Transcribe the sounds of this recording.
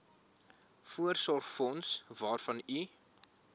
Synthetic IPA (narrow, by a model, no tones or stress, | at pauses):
fuərsɔrχfɔnsvɑːrfɐni